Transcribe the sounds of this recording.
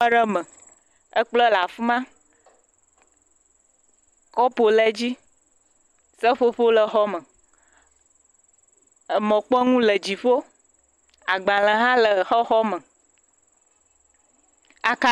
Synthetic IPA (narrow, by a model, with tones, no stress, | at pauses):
ɖə˦mə̃˨ | ə˦k͡plɔ˦la˨fu˦mã˦ | kɔ˦po˨lɛ˦d͡ʑi˦ | sə˦ɸo˦ɸo˦lə˨xɔ˦mə̃˨ | ə˨mɔ̃˨k͡pɔ˦ŋũ˦lə˨d͡ʑi˨ɸo˦ | a˨ɡ͡bã˨lə̃˨ɦã˦lə˨xɔ˦xɔ˦mə̃˨ | a˨ka˦